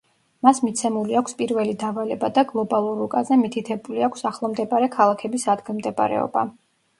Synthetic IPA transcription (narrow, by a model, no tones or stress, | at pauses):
masmit̪sʰɛmuliakʷʰspʼiɾvɛlid̪avalɛbad̪aɡlˠɔbalˠuɾukʼazɛmit̪ʰit̪ʰɛbuliakʰʷsaχlˠɔmd̪ɛbaɾɛkʰalˠakʰɛbisad̪ɡilˠmd̪ɛb̰ɾɛ̰ɔ̰ba̰